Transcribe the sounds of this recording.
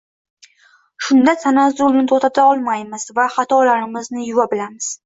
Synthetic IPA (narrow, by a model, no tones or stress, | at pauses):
ʃʊnd̪asanazolˠnɪt̪ʰot̪ʰat̪aɒlˠmajmɪz̥vaχat̪ʰɒlaɾɪmɪznɪjʊvabɪlamɪz̥